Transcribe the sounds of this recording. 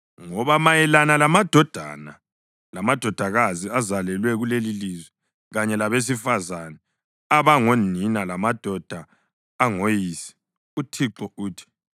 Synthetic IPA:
ŋɔβamajɛlanalamad̥ʱɔd̥ʱa̰na̰ | lamad̥ʱɔd̥ʱaɣaziazalɛlwɛɣulelilizwɛ | ɣaɲɛlaβes̬ifazanɛ | aβaŋoninalamad̥ʱɔd̥ʱaː | ŋojiːsi̥ | utʰiǁɔuːtʰi̥

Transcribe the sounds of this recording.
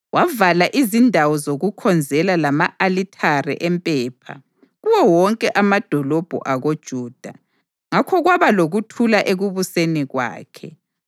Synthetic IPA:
wʔavalaʔizindʱawɔzoɣukʰɔnd͡zʱɛlalamaʔalitʰarɛ̰ʔɛmpʼɛːpʰa̰ | ɣuwɔwɔŋkʼɛʔamad̥ʱɔlɔb̥ʱṵʔaɣod̥ʒ̥ʱuːd̥ʱa | ŋakʰɔɣwaβaloɣutʰulaʔeɣuβuseniɣwa̰ːkʰɛ

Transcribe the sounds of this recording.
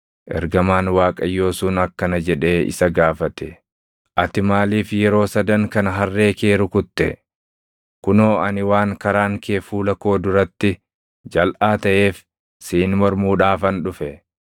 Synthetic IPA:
ʔɛ̰ɾɡɐmaːnwaːkʼɐjːo̞ːsuːnɐkːɐnɐd͡ʒɛᶑe̞ːɪ̰sɐɡaːfɐt̪ɛ | ʔɐt̪ɪmaːliːfjɛɾo̞ːsɐd̪ɐŋkɐnɐɦɐrːe̞ːkeːɾʊkʊt̪ːɛ̰ | kʊno̞ːɐnɪwaːŋkɐɾaːŋkeːfuːlɐko̞ːd̪ʊɾɐt̪ːɪ | d͡ʒɐlʔaːt̪ɐʔe̞ːf | siːnmɔɾmuːᶑaːfɐnᶑʊfɛ

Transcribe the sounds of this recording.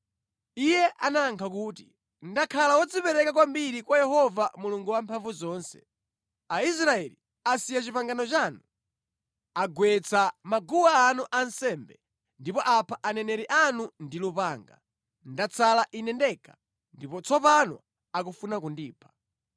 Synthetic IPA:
ijɛʔanaːŋkʰak̬uːti | ndakʰalawɔd͡zipɛɾɛkakwambiɾikwajɛhɔvamuluŋɡuwampʰaɱvuzɔːnsɛ̥̰ | ais̬ɾaɛli | asijat͡ʃipaŋɡanɔt͡ʃaːnu | aɡwɛt͡sʰamaɡuwaːnuʔansɛmbɛ | ndipɔʔapʰaʔanɛnɛɾiʔanundilupaːŋɡa̰ | ndat͡sʰalaʔinɛndɛka | ndipɔt͡sʰɔpanɔ̰ | akufunakundiːpʰḁ

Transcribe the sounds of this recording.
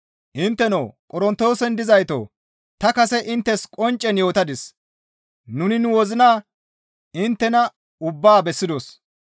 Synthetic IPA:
ʔɪnt̪ːɛno̰ːkʼɔɾɔnt̪o̞ːsɛnd̪ɪzɐjt̪o̰ː | t̪ɐkɐsɛʔɪnt̪ːɛskʼɔnt͡ʃʼːɛnjo̞ːt̪ɐd̪ɪs | nʊnɪnʊwɔzɪnaː | ɪnt̪ːɛnɐ | ʊbːaːbɛsːɪd̪os

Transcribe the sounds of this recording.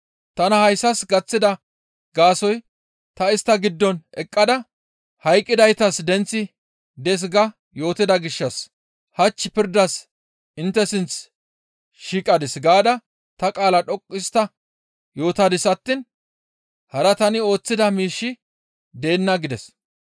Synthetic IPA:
t̪ɐnɐhɐjsːɐsɡɐt͡sːɪd̪ɐ | ɡaːsɔj | t̪ɐɪst̪ːɐɡɪd̪ːɔnɛkʼːɐd̪ɐ | hɐjkʼːɪd̪ɐjt̪ɐsd̪ɛnt͡sːɪ | d̪ɛs̬ɡɐ | jo̞ːt̪ɪd̪ɐɡɪʃːɐs | hɐt͡ʃːɪpɪɾd̪ɐs | ɪnt̪ːɛsɪnt͡s | ʃiːkʼɐd̪ɪsɡaːd̪ɐ | t̪ɐkʼaːlɐᶑɔkʼːɪst̪ːɐ | jo̞ːt̪ɐd̪ɪsɐt̪ːɪn | hɐɾɐt̪ɐnɪo̞ːt͡sːɪd̪ɐmiːʃːɪ | d̪e̞ːnːɐɡɪd̪ɛs

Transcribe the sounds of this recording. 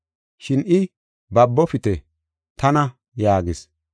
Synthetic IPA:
ʃɪnɪ | bɐbːɔfɪt̪ɛ | t̪ɐnɐ | jaːɡɪs

